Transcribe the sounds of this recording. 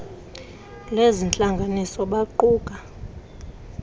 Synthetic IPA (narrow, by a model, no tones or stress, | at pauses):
lezint͡ɬʼaŋɡʱanisɔɓaǃuːɡ̥ʼʱa